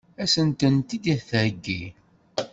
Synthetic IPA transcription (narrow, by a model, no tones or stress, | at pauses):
æsənt̪ənt̪id̪iθəʕɡːi